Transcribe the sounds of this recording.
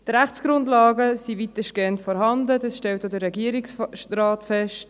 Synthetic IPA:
tɾæχt͡sɡ̥ɾʊndlɑːɡəsivitəʃkɛntfɔɾɦɑndədɑsʃtɛlt̚ːodəɾːɛɡiəɾiksraːtfɛʃt

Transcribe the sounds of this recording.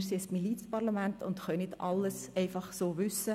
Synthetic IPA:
ɾseːsmilit͡sə̥pɑɾlamænt̪ʊnd̥̪χœnɪt̪ɑlːəsɛɪfɑχsoːʋʏsə

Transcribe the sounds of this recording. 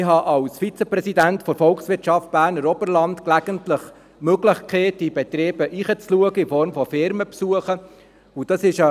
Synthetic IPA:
ɪɦɑʔɑwsfit͡səprɛsidæntfɔɾfɔlksʋɪɾtt͡ʃɑft̚b̥æːɾnəɾɔbərlɑntklæɡ̥əntləχ | møɡləχkʰeːt̚d̥ib̥ɛt̪ɾeːb̥əʔiχət͡sluəɡəɪfɔɾmfɔfɪɾməpsuəχə | ʊd̥ɑsɪʃə

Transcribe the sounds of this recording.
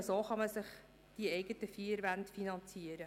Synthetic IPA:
soːχɑməsɪχ | d̥iɛɪɡətəfiːɾʋæntfinɑnt͡siəɾə

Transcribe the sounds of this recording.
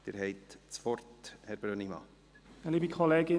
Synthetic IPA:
d̥eːɾɦɛɪt̪t͡sfɔrthɛɾbɾønimɑ̰ː | liːbikʰɔleːɡɪ

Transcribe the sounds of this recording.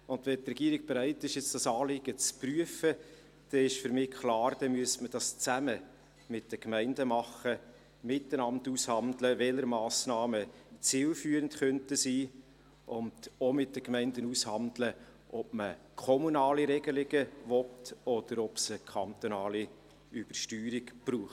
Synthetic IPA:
ʊndʋɛtrɛɡ̥iəɾɪk̚b̥eɾæɪtːɪʃjɛt͡sd̥ɑsɑːlɪɡ̥ət͡spryəfə | d̥ɛɪʃfʏɾmɪːkʰlɑːɾd̥ɛmyəstməd̥ɑst͡sæmə | mɪt̚d̥əkmæɪndəmɑχə | mɪtːənɑmtushɑndləʋɛləɾmɑːsnɑːmət͡sɪːlfyːəɾəntχœntəsiː | ʔʊndomɪt̚d̥əkmɛɪndənushɑndlə | ʔɔb̥mə | kʰɔmunɑːliɾɛɡəlɪɡ̥əvɔtɔd̥əɾɔpsəkʰχɑnt̪ɔnɑːli | yb̥əɾʃtyːɾiɡb̥ruːχt

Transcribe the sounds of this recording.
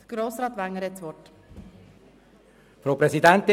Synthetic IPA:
ɡ̥ɾoːsɾɑːt̪ʋæŋːəɾɛt͡sʋɔt | fɾoːpɾɛsidɛnt̪

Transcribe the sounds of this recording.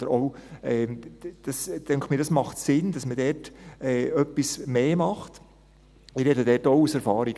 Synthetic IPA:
d̥̪əɾɔʊɛːd̥ɑstɛŋktmiːɾdɑsmɑχtsɪnd̥ɑsmədɛːɾtɛːœpːismeːmɑχt̪ | ɪɾɛdədɛːrtoʊusɛɾfɑːɾiɡ

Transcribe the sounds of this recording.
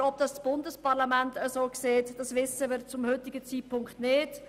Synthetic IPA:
ɔb̚d̥ɑssb̥ʊndəspɑɾlamæntəsoːkseːtd̥ɑsʋɪsəʋɪɾt͡sʊmhʏtɪɡət͡siːt̚pʰʊŋkχtnɪːd̥

